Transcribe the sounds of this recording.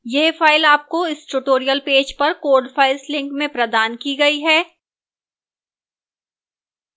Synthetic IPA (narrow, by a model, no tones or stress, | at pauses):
jeɦfaːɪlaːp̚koɪsʈʊʈoːɾijəlpeːd͡ʒpɐɾkoːɾɖfʰaːɪlslɪ̃ŋkmẽpɾɐd̪aːnkiɡɐiɦɛː